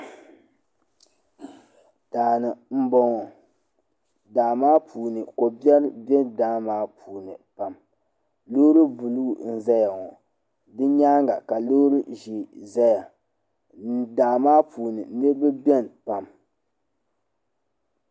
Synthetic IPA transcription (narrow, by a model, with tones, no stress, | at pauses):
d̥aː˨nɨ˨m̩˦bɔ˨ŋɔ˨ | daː˨maː˦pʰuː˨nɨ˨ko˨bɛ˦ɾbɛ˦ndaː˦maː˦pʰuː˨nɨ˨pa˨m | lo˦ɾɨ˦bu˨lu˦˨n̩˦za˦ja˨ŋɔ˨ | dɨ˦ɲaː˦ŋɡa˨ka˨lo˦ɾɨ˦ʒi˨za˦ja˨ | daː˨maː˦pʰuː˨nɨ˨nɨ˦ɾbɨ˦bʲɛ˦npa˨m